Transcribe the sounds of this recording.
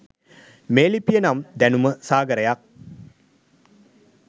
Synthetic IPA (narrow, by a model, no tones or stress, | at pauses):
meːlipːijɐnaːmd̪ɐnumɐsaːɡɐɾɐjaːk̚